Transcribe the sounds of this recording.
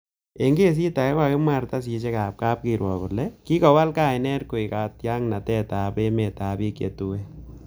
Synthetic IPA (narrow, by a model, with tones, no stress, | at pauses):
e˨ŋɡe˦s̬i˦ta˨ɛ˦kwa˨kɪ˦mwa˨ɾta˦s̬i˨˧t͡ʃ̬e˦ka˨p̚kaː˦p̚ki˨ɾwɔ˨kʊ˨lɛ˦ki˦kɔ˨wa˦lkaː˦˨jnɛ˦ɾko˨i˨kaː˨tja˦ŋna˨tɛ˦ta˨pe˦me˨taː˨bi˦kḛ˨tu˦wɛ˦